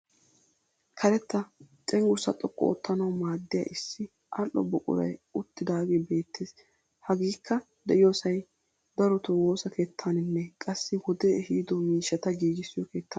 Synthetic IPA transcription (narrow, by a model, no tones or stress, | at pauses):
kʰɐɾɛt̪ːɐt͡ʃʼɛŋɡʊɾsɐt̪ʼɔkːɔ̰ɔ̰t̪ːɐnɐwmaːd̪ːɪjɐ̰ʔɪsːɪ | ʔɐlʔːɔ̰bɔkʼʊ̰ɾɐ̰jʊt̪ːɪd̪aːɡebe̞ːt̪ːeːs | hɐɡiːkːɐ | d̪ɛʔɪjoːsɐj | d̪ɐɾɔt̪ɔwo̞ːsɐkʰe̞ːt̪ʰːaːnɪnːɛkʼɐsːɪwɔd̪ɛhiːd̪ɔmiːʃːɐt̪ɐɡiːd͡ʒɪsːɪjɔke̞ːt̪ːɐ